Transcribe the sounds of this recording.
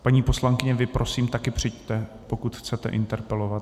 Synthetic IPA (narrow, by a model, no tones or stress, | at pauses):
paɲiːpo̞slaŋkɪɲɛvɪpɾʔo̞siːmt̪akɪpr̝̥ɪct̪ɛ | po̞kut̪xt͡sɛt̪ɛ̰ʔɪnt̪ɛɾpɛlo̞vat̪